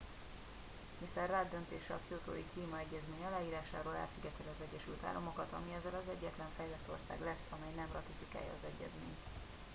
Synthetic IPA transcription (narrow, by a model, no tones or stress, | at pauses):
nist̪ɛrːaːd̪ːønt̪ḛːʃɛɒkiot̪oːikliːmɒɛɟːɛzmeːɲɒlaːjiːɾaːʃa̰ːɾoːla̰lsiɡɛt̪ʰɛlɒzɛɟɛʃylt̪a̰ːlːʔomokɒt̪ɒmiɛzɛlɒzɛɟːɛt̪lɛɱfɛjlɛt̪ːo̞̰rsa̰ːɡlɛsːɒmɛjnɛmrɒt̪ifika̰ːjːɒ̰ːzɛɟːɛ̰zmḛːɲt̪